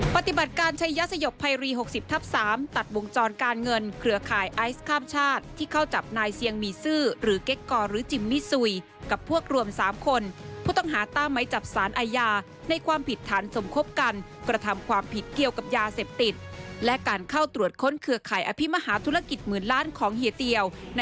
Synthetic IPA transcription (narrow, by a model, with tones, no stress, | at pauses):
pa˨˧˩t̪i˨˩ba˨˩t̪̚kaː˧nt͡ɕʰa˦˧˥jːaː˦˥sa˧jo˨˩pʰːa˧jɾiː˧ɦo˨˩k̚si˨˩p̚t̪ʰa˦˥p̚saː˩˦mt̪a˨˩t̪̚wo˧ŋt͡ɕɔː˧nkaː˧nŋɤ˧nkʰɾɯ˧˩ɐkʰaː˨˩jʔa˦˥jskʰaː˥˩mt͡ɕʰaː˥˩t̪ʰːiː˥˩kʰa˥˩wt͡ɕa˨˩p̚naː˧jsi˧əŋmiː˧sɯː˥˩ɾɯː˩˦ke˦˥kːɔː˧ɾɯː˩˦t͡ɕi˧mːi˦˥su˧j | ka˨˩pʰu˥˩ək̚ɾu˧əmsaː˩˦mkʰo˧npʰuː˥˩t̪ɔ˥˩ŋɦaː˩˦t̪aː˥˩mːa˦˥jt͡ɕa˨˩p̚saː˩˦nʔaː˧jaː˧ | na˧jkʰwaː˧mpʰi˨˩t̪ʰːaː˩˦nso˩˦mkʰo˦˥p̚ka˧n | kɾa˧t̪ʰa˧mkʰwaː˧mpʰi˨˩t̪̚ki˨˩əwka˨˩p̚jaː˧seː˨˩p̚t̪i˨˩t̪̚lɛ˦˥kaː˧nkʰa˥˩wt̪ɾu˨˩ət̪̚kʰo˦˥nkʰɯ˧kʰaː˨˩jʔaː˧pʰi˦˥˩ma˧haː˩˦t̪ʰu˦˥ɾa˧ki˨˩t̪̚mɯː˨˩nlaː˦˥˨nkʰɔː˩˦ŋhi˨˩˦t̪i˧əwn˧